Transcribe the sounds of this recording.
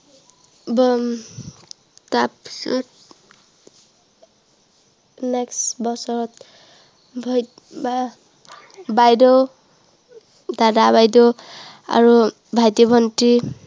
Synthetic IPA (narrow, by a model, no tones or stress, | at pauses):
b | tap | nɛksbɔsɔɹɔt̪̚ | bʱj | b | bajdɔ | dadabajdɔa̰ɹu | bʱajtɔbʱɔnti